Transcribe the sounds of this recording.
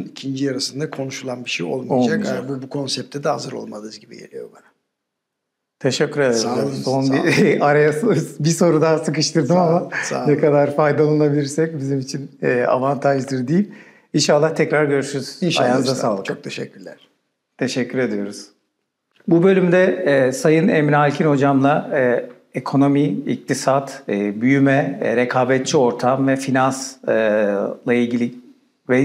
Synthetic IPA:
nicʰind͡ʒijaɾasɯnd̪akʰo̞nuʃulˠanbiʃejo̰lˠmod͡ʒakabubukʰo̞nsɛp̚t̪ʰɛd̪ɛɦazɯɾo̰lˠmad̪ˠɯzɟibijḛlʲijo̰bana | t̪ʰeʃɛcʰːyɾe̞d̪ed̪oonbiaɾajasɯbiso̞ɾud̪aːsɯkɯʃt̪ɯɾd̪ɯmamasanɛkad̪aɾfajd̪alˠanabilʲiɾsɛc̚bizimit͡ʃʰinɛːa̰vant̪ʰaʒd̪ɯɾd̪iilʲ | inʃalˠːaht̪ʰɛcɾaɾɟø̞ɾyʃyɾyz̥iʃaazasaːlˠɯt͡ʃʰok̚t̪ʰeʃɛcʰʲːyɾlʲæɾ̥ | t̪ʰe̞ʃɛcʰːyɾe̞d̪ijo̞ɾuz̥ | bubø̞lʲymd̪ɛsajɯnemiɾalʲcʰinho̞d͡ʒamlˠa | ekʰo̞no̞miic̚t̪ʰisat̪ːbyjymɛɾekʰaːbɛt̪̚t͡ʃʰio̞ɾt̪ʰamvɛfinansɯlˠailʲɟilʲi | vɛ

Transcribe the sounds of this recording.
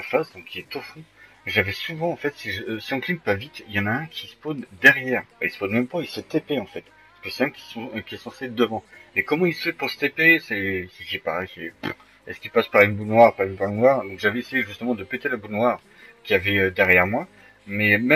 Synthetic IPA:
afazd̪ɔ̃kʰʲːiɛt̪ofũ | ʒavɛsuvɑ̃ɑ̃fɛt̪siʒəsiɔ̃klimpavit̪jɑ̃naɛ̃kʲʰisə̥pond̪ɛʁjɛʁfɛisə̥ponmɛ̃mpaisət̪epeɑ̃fɛt̪ | skəsɛɛ̃kʲi̥sɔ̃kʲiɛsɑ̃sed̪əvɑ̃mɛkɔmɑ̃ilsəfɛpuʁsə̥t̪epesɛsʒipasɛp | ɛskʲilpaspaʁynbunwaʁpaʁynpaʁynwaʁd̪ɔ̃kʒavɛesejeʒyst̪əmɑ̃d̪əpet̪elabunwaʁ | kʲiavɛød̪ɛʁjɛʁmwa | mɛmɛ

